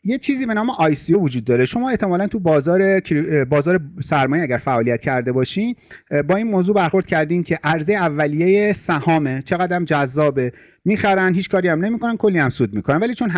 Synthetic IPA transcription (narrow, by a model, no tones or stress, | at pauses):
jet͡ʃʰiːziːbe̞nɒːme̞ʔɒːjsijovod͡ʒuːd̪̚ːɒːɾe̞ʃo̞mɒːe̞ht̪ʰe̞mɒːlænt̪ʰubɒːzɒːɾe̞cʰɾbɒːzɒːɾesæɾmɒːjeæɟæɾfæʔɒːlijæt̪cʰæɾd̪e̞bɒːʃimbɒːiːnmoːzuːbæɾxo̞ɾd̪̚cʰæɾd̪iːmcʰe̞ʔæɾzejeævːælijejesæhɒːme̞t͡ʃʰe̞ɣæd̪æmd͡ʒæzːɒːbe | miːxæɾænɦiːt͡ʃkʰɒːɾijæmnemiːkʰo̞nænkʰo̞lːiːjæmsuːd̪miːkonænvæliːt͡ʃʰo̞nɦ